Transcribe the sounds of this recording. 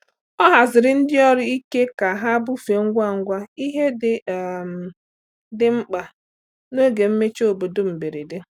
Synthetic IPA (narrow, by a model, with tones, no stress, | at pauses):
ɔ˦ɦa˨zɪ˨ɾɪ˨n̩˦dɪ˦ɔ˦ɾɪ˦i˦ke˦ka˨ɦa˦bʊ˦fe˨ŋ̩˦ɡʷa˦˨ŋ̩˦ɡʷa˦i˦ɦe˦dɪ˦˨ | dɪ˦ŋ͡m̩˦k͡pa˨ | no˦ɡe˨m̩˦me˦t͡ʃo˨bo˨do˦m̩˨be˨ɾe˨de˦